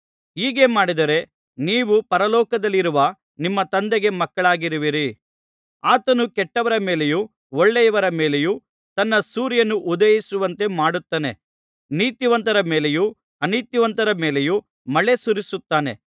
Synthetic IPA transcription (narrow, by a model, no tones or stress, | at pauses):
ɦiːɡe̞ːmaːɽid̪ɐɾe̞ | niːʋupɐɾɐlɔːkɐd̪ɐlːiɾuʋɐ | nimːɐt̪ɐnd̪eɡe̞mɐkːɐɭaːɡiɾiʋiɾi | aːt̪ɐnukɛʈːɐʋɐɾɐmeːleju | oɭːɛjɐʋɐɾɐmeːle̞ju | t̪ɐnːɐsuːɾjɐnuʔud̪ɐjisuʋɐnt̪e̞maːɽut̪ːɐːne̞̰ | niːt̪juʋɐnt̪ɐɾɐmeːle̞ju | ɐniːt̪juʋɐnt̪ɐɾɐmeːleju | mɐɭe̞suɾisut̪ːaːne̞̰